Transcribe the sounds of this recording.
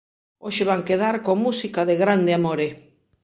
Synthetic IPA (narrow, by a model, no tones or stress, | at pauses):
oʃeβaŋkeðaɾkoamusikaðeɣɾand̪eamoɾe